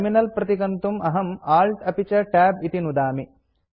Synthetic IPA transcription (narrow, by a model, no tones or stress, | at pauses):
minɐlpɾɐt̪iɡɐnt̪umɐɦɐmaːlʈɐpit͡ʃɐʈaːbit̪inud̪aːmi